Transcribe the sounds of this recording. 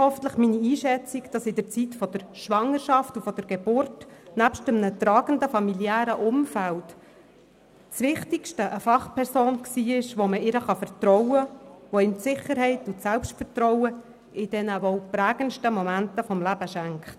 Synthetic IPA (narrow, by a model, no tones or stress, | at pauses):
hɔfən̩tləχminiiːʃɛt͡sikd̥ɑsɪdəɾt͡sitfɔd̥əɾʃʋɑŋəɾʃɑftufɔd̥əɾɡ̥ebʊrtnæpʃtəmnət̪ɾɑːɡ̥əndəfɑmiljæːɾəʔʊmfælt | t͡sʋɪχtɪkʃtəʔəfɑχpʰɛɾsoːnksiːɪʃʋoməɪɾəχɑfəɾtɾɔwəʋoɪntsɪχəɾɦɛɪtʊtsɛlpʃtfəɾtɾɔwə | ʔɪd̥ɛnəvɔʊpræːɡ̥ənʃtəmɔmæntəfɔmlæbəʃæŋkχt